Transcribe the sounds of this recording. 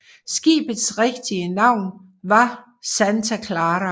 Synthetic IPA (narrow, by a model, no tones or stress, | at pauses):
sɡ̥ḭːb̥əð̩ˠsʁeɡ̥d̥iənɑ̈ʊ̰n | ʋɑ̈ | sænt͡sʰækʰlɑːɾɐ